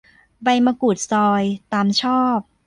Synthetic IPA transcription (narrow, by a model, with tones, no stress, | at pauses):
ba˧jma˧ku˨˩t̪̚sɔː˧jt̪aː˧mt͡ɕʰɔː˥˩p̚